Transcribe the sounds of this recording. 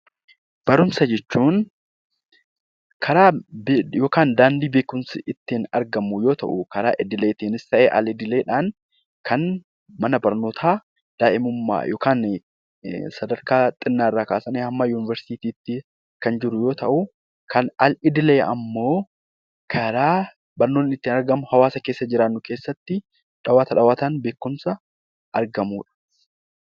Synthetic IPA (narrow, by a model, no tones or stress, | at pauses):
b̥ɐɾʊmsɐd͡ʒɛt͡ʃːuːn | kʰɐɾaːbjo̞ːkaːnd̪aːnd̪iːbeːkʊmsɪʔɪt̪ːɪːnɐ̰ɾɡɐmːʊjo̞ːt̪ɐ̰ʔʊkɐɾaːʔɪd̪ɪleːt̪iːnɪst̪ɐʔeːʔɐ̰lɪd̪ɪle̞ːᶑaːn | kʰɐn | mɐnɐbɐɾno̞ːt̪ʰaː | d̪̥aːʔɪmʊmːa̰ːjoːkaːn | sɐd̪ɐɾkaːt̪ʼɪnːaːɪrːaːkaːsɐneːhɐmːaːjuːnɪvɐɾsɪ̥t̪iːt̪iːt̪ːɪ | kɐnd͡ʒɪɾʊjo̞ːt̪ɐʔʊ | kʰɐnɐlɪd̪ɪleːʔɐ̰mːo̞ː | kʰɐɾaː | bɐɾno̞ːnɪnɪt̪ːiːnɐɾɡɐmʊhɐwaːsɐke̞ːsːɐd͡ʒɪɾaːnːʊke̞ːsːɐt̪ːɪ | ᶑɐwaːt̪ɐᶑɐwaːt̪anbe̞ːkːʊmsɐ | ʔɐɾɡɐmuːᶑɐ̥